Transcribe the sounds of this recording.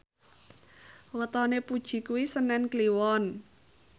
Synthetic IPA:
wət̪ɔnepud̥ʒ̥i̤kuwisənɛnkliwɔn

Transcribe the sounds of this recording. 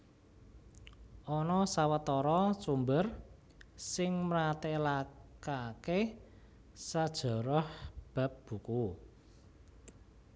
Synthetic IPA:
ʔɔnɔsawət̪ɔɾɔsumbər | sɪŋmɾat̪elakake | sad̥ʒ̥ɔ̤ɾɔhb̥a̤p̚b̥uku

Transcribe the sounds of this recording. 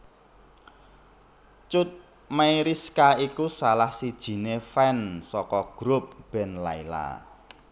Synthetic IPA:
t͡ʃʊt̪̚ | maiɾiskaikusalahsid̥ʒ̥i̤nefɛnsɔkɔɡ̥ɾʊp̚b̥ɛ̤nla̰ila̰

